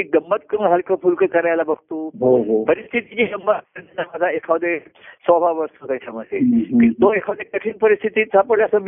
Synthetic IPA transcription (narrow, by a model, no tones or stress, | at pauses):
iɡəmːət̪̚kənɦəlkəpʰulkəkəɾajlabəɡ̚t̪oɦoɦopəɾist̪ʰit̪iɲiɡəmbəənamad͡z̪ʱaekʰaʋəd̪e | sɔbʱaʋʋəɾsot̪at͡ɕaməd̪ʱːekit̪oekʰaʋd̪ekəʈʰiːnpəɾist̪ʰit̪iːt̪sapəɽleəsəm